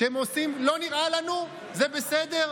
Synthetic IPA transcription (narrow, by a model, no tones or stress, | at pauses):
emosimlo̞niʁalanu | ze̞besed̪e̞ʁ